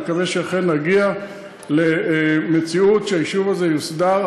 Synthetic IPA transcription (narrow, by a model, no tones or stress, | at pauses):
kaveʃeaχenːaɡia | leme̞t͡siutʃeajiʃuvaze̞jusd̪aʁ